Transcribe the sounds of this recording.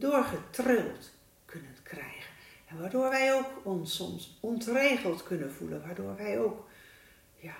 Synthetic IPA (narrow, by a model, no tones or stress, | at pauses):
doːrχətrɪlˠt | kʰønənkʰrɛjɣənɛnʋadoːɹʋɛjoːkɔnsɔmsɔntreːɣəl̩ˠtkønənfulənʋadoːrʋɛjoːk | ja